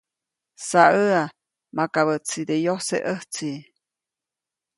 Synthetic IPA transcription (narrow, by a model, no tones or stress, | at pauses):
saəa | makaβət͡sid̪ejosḛʔəht͡si